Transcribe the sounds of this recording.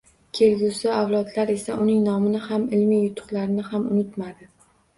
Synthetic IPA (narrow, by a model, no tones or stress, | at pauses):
kʲʰelɡʲusɪawlˠɒd̪laɾe̞saʔʊnɪŋnɒmɪnɪhamɪlmijjʊt̪ʰʊ̥qlaɾɪnɪhamʊnɪt̪mad̪ɪ